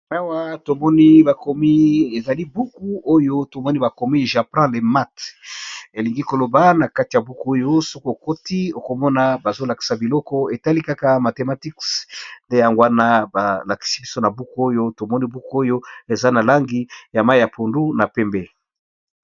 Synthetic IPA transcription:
a˦wa˦to˨mɔ˦ni˦ba˨ko˨mi˦e˨za˨li˦bu˦ku˦o˦jo˦to˨mɔ˦ni˦ba˨ko˨mi˦ʒa˨plɛ̃˦le˨ma˦t | e˨li˨ŋɡi˦ko˨lo˨ba˦na˨ka˦ti˨ja˨bu˦ku˦o˦jo˦so˦ko˦o˨ko˦ti˦o˨ko˨mɔ˦na˦ba˨zo˦la˨ki̥˨sa˨bi˨lɔ˦kɔ˦e˨ta˦li˦ka˦ka˦ma˨te˨ma˨ti˦ksnde˦ja˨ŋɡwa˦na˦ba˨la˨ki̥˨si̥˦bi˦so˦na˨bu˦ku˦o˦jo˦to˨mɔ˦ni˦bu˦ku˦o˦jo˦e˨za˦na˨la˦ŋɡi˦ja˨ma˦i˨ja˨pʰo˨ndu˦na˨pɛ˦mbe˦

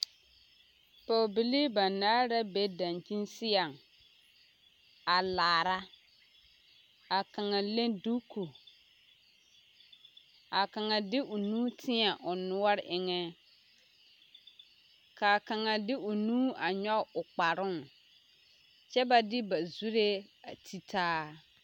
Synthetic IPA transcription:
po˨bi˨li˦ba˨naː˦ɾa˦be˦da˨nt͡ʃi˦nsɪ˦a˨ŋ | a˨laː˨ɾa˦ | a˨ka˨ŋa˨le˦ndu˦kʰu˨ | a˨ka˨ŋa˨dɪ˦ʔʊ˨nuː˦tʰɪ˦a˨ʔʊ˨nʊ˦ɔ˦ɾʔɪ˦ŋɛ˦ | ka˨ka˨ŋa˨dɪ˦ʊ˨nuː˦a˨ɲɔ˦ʊ˨k͡pa˨ɾʊ˦ŋ | t͡ʃɛ˦ba˨dɪ˦ba˨zu˦ɾe˦a˨tʰi˦tʰaː˦

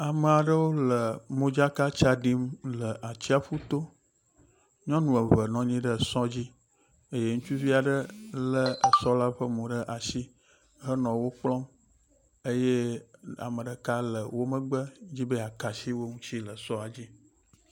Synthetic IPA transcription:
a˨mə˨a˨ɖə˦wo˦lə˨mõ˦d͡ʒa˦ka˦t͡ʃa˦ɖi˦mlə˨ʔa˨t͡ɕi˦a˦fu˦t̪o˦ | ɲɔ̃˦nũ˨ə˨və˨nɔ̃˨ɲĩ˦ɖə˦˨sɔ̃˦d͡ʑi˦ | e˦je˦ŋũ˦t͡ʃu˦vi˦a˨ɖə˦lə˦ə˨sɔ˦la˦ɸə˦mõ˨ɖə˦ʔa˨si˦ | ɦə˦nɔ̃˨wo˦k͡plɔ̃˦m | ə˦je˦a̰˨mə˨ɖə˨ka˦lə˨wo˦mə˦ɡ͡bə˦d͡ʑi˦bə˦a˨ka˨si˦wo˦ŋũ˦t͡ɕi˦lə˨sɔ˦a˨d͡ʑi˦

